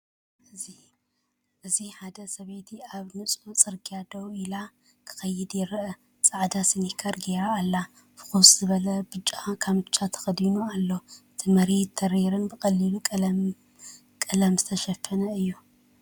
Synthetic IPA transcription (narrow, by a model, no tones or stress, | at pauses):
ʔɨzi | ʔɨziħad̪ɐsɐβet̪ʰiaβnɨsʼut͡sʼɨɾɡʼijad̪owila | kʰɨ̥xɐjːɪd̪jɪɾʔɐ | t͡sʼaʕd̪asinikʰɐɾɡeɾaːlːa | fɨ̥xusʼz̥ɨβɐlɐbɨt͡ʃʼːakʰaβɨt͡ʃʼat̪ʰɐ̥xɐd̪inualːoɨt̪ʰimɐɾet̪ʰːɐɾeɾɨnbɨkʼɐlːilukʼlm | kʼɨlɐmzɨt̪ʰɐʃɐfːɐnɐɨjːu